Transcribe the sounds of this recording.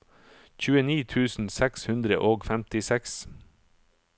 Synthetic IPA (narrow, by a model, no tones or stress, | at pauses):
çʉːəniːt̪ʰʉːsn̩sɛkshʉnd̪ɾə̰ʔoːɡfæmt̪ɪsɛks